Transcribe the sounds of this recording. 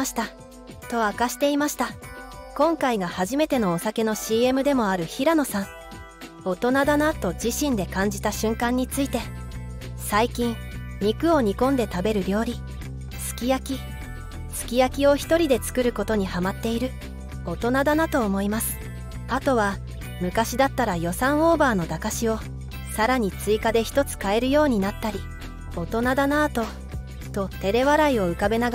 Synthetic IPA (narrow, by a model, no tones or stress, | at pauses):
ɕi̥t̪a | t̪o̞akaɕi̥t̪e̞imaɕi̥t̪akõ̞ŋkaiɡahaʑime̞t̪e̞no̞ːsake̞no̞ɕiːe̞mɯ̟d̪e̞mo̞aɾɯ̟çiɾano̞sãɴ | o̞t̪o̞nad̪anat̪o̞d͡ʑiɕĩnd̪e̞kãɲ̟d͡ʑit̪aɕɨ̃ŋkãɲ̟ːit͡sɨit̪e̞ | saikʲĩŋɲikɯ̟o̞ɲ̟ikõ̞nd̪e̞t̪abe̞ɾɯ̟ɾʲo̞ːɾʲi | sɨ̥kʲijakʲi | sɨ̥kʲijakʲio̞çi̥t̪o̞ɾʲid̪e̞t͡sɨ̥kɯ̟ɾɯ̟ko̞t̪o̞ɲ̟ihamat̪ːe̞iɾɯ̟ | o̞t̪o̞nad̪anat̪o̞ːmo̞imasɨ̥ | at̪o̞βa | mɯ̟kaɕid̪at̪ːaɾajo̞sãɰ̃o̞ːbaːno̞d̪akaɕio̞ | saɾaɲ̟it͡sɨikad̪e̞çʲi̥t̪o̞t͡sɨ̥kae̞ɾɯ̟jo̞ːɲ̟inat̪ːaɾʲi | o̞t̪o̞nad̪anaːt̪o̞ | t̪o̞t̪e̞ɾe̞βaɾaio̞ɯ̟kabe̞naɡ